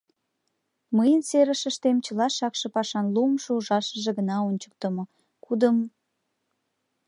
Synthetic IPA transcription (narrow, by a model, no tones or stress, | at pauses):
məjənseɾəʃəʃt̪emt͡ɕəlɑʃɑkʃɤ̆pɑʃɑnlumʃouʒɑʃəʒeɣənɑonʲt͡ɕə̥k̚t̪ə̆mŏ | kud̪əm